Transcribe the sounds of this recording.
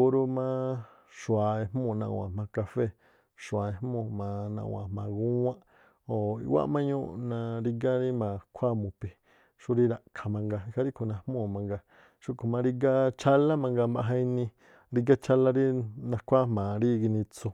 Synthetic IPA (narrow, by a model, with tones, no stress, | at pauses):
o˧ɾu˧mã˦ | ʃwa˨e˧hmõ˦˧˨nã˧wʷã̰˨mã˧ka˧fe˦ | ʃwa˨e˧hmõ˧˨mã˨˧nã̰˧˨˧wã̰˨mã˨ɡũ˦wã˦ʔ | o˨ḭ˧wa̰˦ʔmã˦ɲũ˦ʔnã˧ɾi˧ɡa˦ɾi˦mã˨kʷʰa˦mũ˨pi˨ | ʃu˦ɾi˦ɾa˧ʔkʰa˨mã˧ŋɡa˧i˧ha˧ɾi˦kʰu˨nã˧hmõ˦˨mã˧ŋɡa˧ | ʃu˦kʰo˨mã˧ɾi˧ɡa˦t͡ʃʰa˦la˦mã˧ŋɡa˧mba˧ɦã˧ĩ˧nĩ˧ | ɾi˧ɡa˦t͡ʃa˦la˦ɾi˦nã˧kʷʰa˦mã˨ɾi˦˧ɡi˧nĩ˧t͡so˧